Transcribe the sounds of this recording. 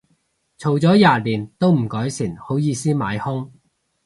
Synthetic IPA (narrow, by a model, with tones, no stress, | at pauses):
t͡sʰo˨˩wt͡sɔː˨˥jaː˨˧liː˨˩nt̪o˥wm̩˨˩kɔː˨˥jsiː˨˩nho˨˥wjiː˨˧siː˥ma̰ː˨˧jhʊ˥ŋ